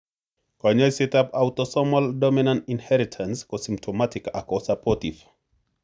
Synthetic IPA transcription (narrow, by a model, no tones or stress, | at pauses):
kɔɲɔjsetapawtɔsɔmaldɔminantinhɛɾitʰanskɔsim̚tʰɔmatika̰kɔsapʰɔtif